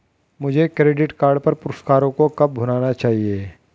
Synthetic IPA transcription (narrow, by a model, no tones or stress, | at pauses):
mʊd͡ʒʱekɾeːɖɪʈkaːɾɖpɐɾpʊɾʊsʈkaːɾõkokɐb̚bʱʊnaːnat͡ʃaːɦieː